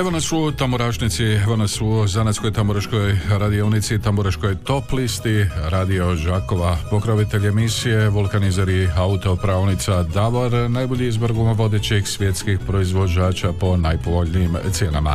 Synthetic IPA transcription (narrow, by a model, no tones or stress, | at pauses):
eʋonasut̪amoɾaːʃnit̪siʋonasuzanasko̞jt̪amoɾaʃkojɾad̪iounit̪sit̪amoɾaʃko̞jt̪o̞plist̪iɾad̪io̞ʒako̞ʋapo̞kɾoʋit̪e̞ʎʲe̞misije̞ʋulˠkanizaɾiaut̪o̞pɾaːʋnit̪sad̪aʋoɾnajboʎiizbɾɡumaʋo̞d̪et͡ɕixsʋʲje̞t̪skixpɾo̞izʋo̞d͡ʑaːt͡ʃapo̞najpo̞ʋo̞ʎʲniːmt̪sje̞na̰ma̰